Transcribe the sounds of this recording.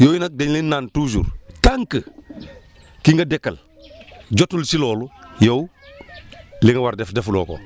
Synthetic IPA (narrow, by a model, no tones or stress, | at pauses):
joːjinak̚deɲlinːaːntud͡ʒṵːɾtaŋkə | kiŋɡɐdekːɐl | d͡ʒotulsiloːlujow | liŋɡɐwaɾdefdeflo̰ːko̰